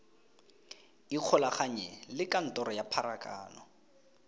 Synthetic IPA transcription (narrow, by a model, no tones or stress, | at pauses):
iq͡χʰɔlaχaɲɛlɪkʼan̩tɔɾɔjapʰaɾakʼa̰ːnɔ